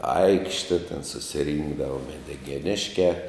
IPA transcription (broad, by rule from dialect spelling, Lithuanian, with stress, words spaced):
ˈɐɪkʃʲtʲɛ tʲɛn sʊsʲɪˈrʲɪŋɡdɐʋɐ mʲɛdʲɪɡʲɛˈnʲɪʃʲkʲæː